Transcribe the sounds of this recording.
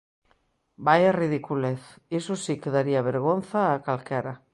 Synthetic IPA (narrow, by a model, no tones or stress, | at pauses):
bajarið̞ikuleθ | isusikeðaɾiaβ̞eɾɣ̞onθaːkalkaɾa